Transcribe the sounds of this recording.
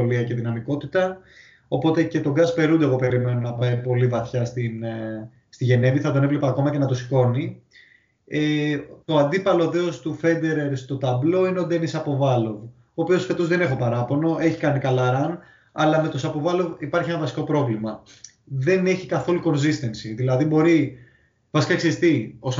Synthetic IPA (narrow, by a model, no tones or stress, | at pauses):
oliɐce̞ðinɐmiko̞t̪it̪ɐ | o̞po̞t̪e̞ce̞t̪o̞ɡɐspe̞ɾund̪eɣo̞pe̞ɾime̞nonɐpɐjpo̞livɐθçɐst̪in | st̪iʝe̞ne̞viθɐt̪o̞nevlepɐːko̞mɐce̞nɐt̪osi̥ko̞ni | et̪o̞ɐnd̪ipɐlo̞ðe̞ost̪ufe̞nd̪e̞ɾe̞ɾst̪o̞t̪ɐblo̞ineo̞d̪e̞nisɐpo̞vɐlo̞v | oːpio̞sfet̪o̞zðe̞ne̞xo̞pɐɾɐpo̞no̞ʔe̞çi̥kɐnikɐlɐɾɐn | ɐ̰lɐme̞t̪osɐpovɐlo̞vipɐɾçie̞nɐvɐsi̥ko̞pɾo̞vlimɐ | ðe̞ne̞çikɐθo̞luko̞nsist̪e̞nsiðilɐðibo̞ɾi | vɐsi̥kɐkseɾist̪ios